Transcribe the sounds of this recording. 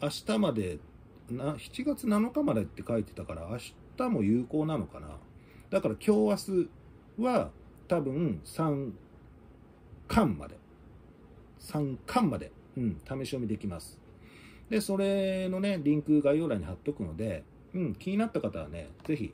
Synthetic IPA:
aɕi̥t̪amad̪e̞ | naçi̥t͡ɕiɡat͡sɨnano̞kamad̪ait̪ːe̞kait̪e̞t̪akaɾa̰ːɕi̥t̪amo̞jɯ̟ːko̞ːnano̞kana̰ | d̪akaɾakʲo̞ːβasɨ | βa | t̪abɯ̟̃sãŋ | kʰãmːa̰d̪e̞̰ | sãŋkʰãmːad̪e̞̰ | ɯ̟̃ɴt̪ʰame̞ɕiomʲid̪e̞kʲimasɨ̥ | d̪e̞so̞ɾe̞no̞ne̞ɾʲĩŋkɯ̟ɡajo̞ːɾaiɲ̟ihat̪ːo̞kɯ̟no̞d̪e̞ | ɯ̟̃ɴkʲiɲ̟inat̪ːakat̪aβa̰ne̞̰ze̞çḭ

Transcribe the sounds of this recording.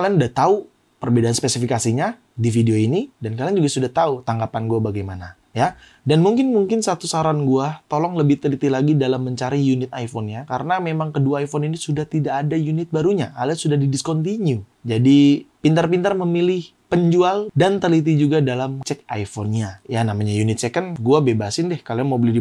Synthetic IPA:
kalianudat̪au | pərbedaanspesifikasiɲa | difideoinidankaliand͡ʒuɡasudaht̪aut̪aŋɡapanɡuabaɡajmana | ja | danmuŋkɪnmuŋkɪnsat̪usaɾanɡuat̪olɔŋləbɪht̪əlit̪ilaɡidalamːəɲt͡ʃaɾijunɪt̪ajfɔnɲakaɾənamemaŋkəduaːifɔninisudaht̪idaːdajunɪt̪̚baɾuɲaʔalasudahdidiskɔnt̪iɲud͡ʒadipint̪ərpint̪ərməmilɪh | pəɲd͡ʒualdant̪əlit̪̬id͡ʒuɡadalamt͡ʃɛk̚ajfɔnɲajanamaɲajunɪt̪̚sekənɡuabebasɪndɛhkaliaŋmobəlɪhdi

